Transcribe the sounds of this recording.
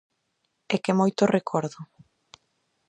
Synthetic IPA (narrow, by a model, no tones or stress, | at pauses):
ɛkemojt̪ʊrekʰɔɾðʊ